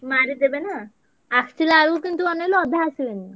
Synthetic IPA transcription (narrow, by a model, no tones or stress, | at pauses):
maɾid̪ebena | akt͡ʃilaɾukint̪uɔneloɔbʱjasieni